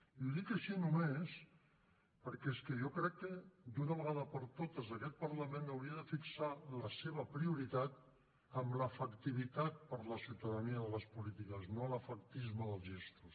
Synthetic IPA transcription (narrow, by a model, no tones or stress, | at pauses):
iuðikəʃinumes | pəɾkɛeskəʒɔkɾɛkːəd̪unəβəɣaðəpəɾt̪ot̪əzəkɛt̪̚pəɾləmẽnəwɾiəðəfiksaləseβəpɾiuɾit̪at̪ | əmləfəkt̪iβ̞it̪at̪̚pəɾləsiwt̪əðəniəðələspulit̪ikəznoləfək̚t̪izməðəlˠzʒest̪ɾus